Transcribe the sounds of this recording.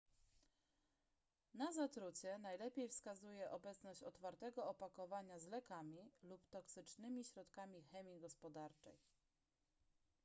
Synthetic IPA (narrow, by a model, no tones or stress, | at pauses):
nazat̪ɾut͡ɕɛnajlɛpʲjejfskazujɛʔɔbɛt̪snɔɕt͡ɕɔt̪faɾt̪ɛɡɔɔpakɔvaɲazlɛkamʲilupt̪ɔksɘt͡ʂnɘmʲiɕɾɔt̪kamʲixɛmʲiɡɔspɔd̪aɾt͡ʂɛ̰j